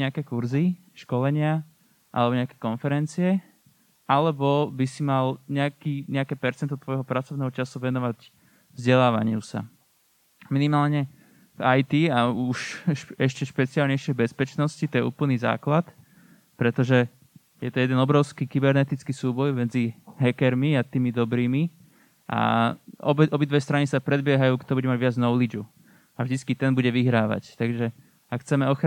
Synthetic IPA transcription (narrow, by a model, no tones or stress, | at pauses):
ɲɛakɛːkuɾzi | ʃkɔlɛɲɪa | ʔa̰lɛbɔɲɛakɛːkɔnfɛɾɛnt͡siɛ | alɛbɔbisimalɲɛakiːɲɛakɛːpɛɾt͡sɛnt̪ɔt̪ʋɔjɦɔpɾat͡sɔʋnɛːɦɔt͡ʃasuʋɛnɔʋaɟ | vzɟɛlaːʋa̰ɲɪusa̰ | minimaːlɲɛ | vajt̪iauʃɛʃcɛʃpɛt͡sialɲɛjʃɪɛjbɛspɛt͡ʃnɔscit̪ɔjɛṵːpl̩niːza̰ːklat̪ | pɾɛt̪ɔʒɛ | jɛt̪ɔjɛd̪ɛnɔbɾɔʊskiːkibɛɾnɛt̪it͡skiːsuːbɔjmɛd͡ziɦɛkɛɾmiat̪iːmid̪ɔbɾiːmi | ʔa̰ɔ̰bɛʔɔbid̪ʋɛst̪ɾanisapɾɛd̪bɪɛɦajuːkt̪ɔbuɟɛmaɟʋɪad͡znɔʊlid͡ʒu | avʒd̪itt͡skit̪ɛnbuɟɛʋiɦɾaːʋa̰ct̪aɡʒɛ | akxt͡sɛmɛɔx